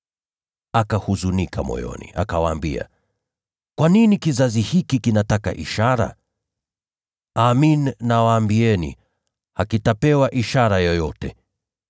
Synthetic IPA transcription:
akahuzunikʰamɔ̰jɔ̰nḭʔa̰kawaːmbḭa̰ | kwaninikizazihikikinataka̰ʔiʃaɾa̰ | aːminnawaːmbiɛnḭ | hakitapɛwaʔiʃaɾajɔjɔtɛ

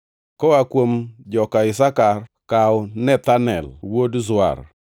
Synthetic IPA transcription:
kɔakwomd͡ʒɔkaɪsakarkawɔnɛt̪anɛlwodzʊa̰r

